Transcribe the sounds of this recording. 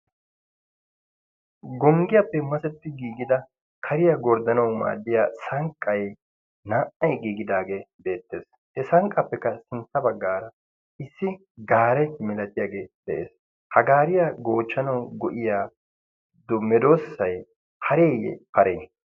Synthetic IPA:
ɡɔŋɡɪjɐpːɛmɐsɛt̪ːɪɡiːɡɪd̪ɐ | kʰɐɾɪjaɡɔɾd̪ɐnɐwma̰ːd̪ːɪjaːsɐŋkʼːɐj | naːʔɐjɡiːɡɪd̪aːɡe̞ːbe̞ːt̪ːe̞ːs | hɛsɐŋkʼːɐpːɛkːɐsɪnt̪ːɐbɐɡːaːɾɐ | ʔɪsːɪ | ɡaːɾɛjmɛlɐt̪ɪjaːɡe̞ːd̪̥ɛʔḛːs | hɐɡaːɾɪjaɡo̞ːt͡ʃːɐnɐwɡɔʔɪjaː | d̪ɔmɛd̪o̞ːsːɐj | hɐɾeːjɛ̰pɐɾḛː

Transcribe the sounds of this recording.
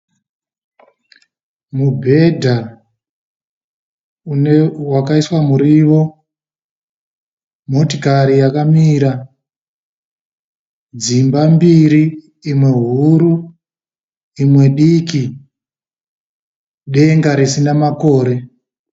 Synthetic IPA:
mubʱe̞dʱa | unewakaiswamuɾiʋo̞ | mo̞tikaɾijakamiɾa | d͡zimbambiɾiː | mwe̞ɦuɾu | imwe̞ɗiki | ɗe̞ŋɡaɾisinamako̞ːɾe̞

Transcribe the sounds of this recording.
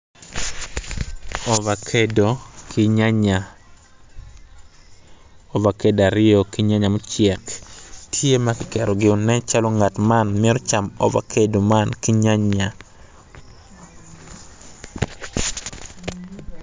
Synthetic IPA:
ɔvakʰedokʰɪɲaɲa | ɔvakedaɾɪɔkɪɲaɲamot͡ʃɪɛktʰjemakɪkɛɾɔɡɪɔnɛt͡ʃalɔŋatmanmɪɛɾɔt͡ʃamɔ̰va̰kʰedomankɪɲaɲa

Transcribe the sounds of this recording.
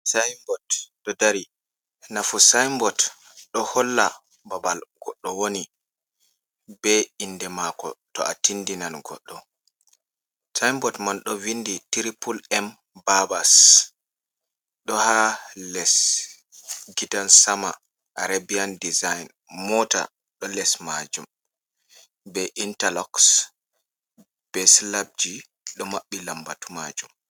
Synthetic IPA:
sajmbɔtɗɔdaɾi | nafusajmbɔt | ɗɔhɔlːa | babalɡ̥ɔɗːɔwoni | bɛindɛmakɔ̰tɔ̰ʔatindinanɡɔ̰ɗːɔ | sajmbɔtmanɗɔvinditiɾipʰulɛm | babas | ɗɔhalɛs | ɡidansama̰ | ʔaɾabiandizajn | mɔta̰ | ɗɔlɛsmad͡ʒum | bɛʔintalɔks | b̥ɛslab̚d͡ʒi | ɗɔmaɓːilambatuma̰d͡ʒum

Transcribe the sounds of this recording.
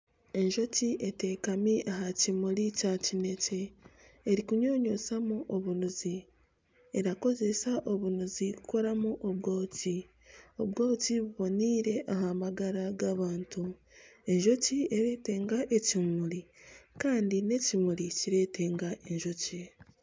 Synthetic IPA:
e̞ɲʒo̞ciʔe̞te̞ːkamiʔaɦacimuɾicacine̞ce̞ː | ɾikuɲo̞ːɲo̞samuʔoβunuzi | e̞ɾako̞ze̞saʔo̞βunuzikuko̞ɾamuʔoβɡo̞ːci | oβɡo̞ːciβuβo̞niːɾe̞ʔaɦamaɡaɾaɡaβaːntu | e̞ɲʒo̞cieɾe̞ːte̞ːŋɡaʔe̞cimuɾikaːndine̞cimuɾiciɾe̞te̞ːŋɡaʔe̞ɲʒo̞ce

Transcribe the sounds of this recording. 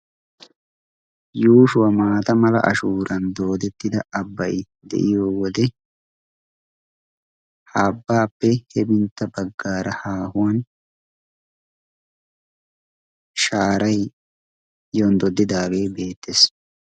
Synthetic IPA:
juːʃʊwɐmaːt̪ɐmɐlɐ̰ʔɐ̰ʃuːɾɐnd̪o̞ːd̪ɛt̪ːɪd̪ɐɐbːɐj | d̪ɛ̰ʔɪjoːwɔd̪ɛ | haːbːaːpːɛhɛbɪnt̪ːɐbɐɡːaːɾɐhaːhʊwɐn | ʃaːɾɐj | jond̪ɔd̪ːɪd̪aːbe̞ːbe̞ːt̪ːes

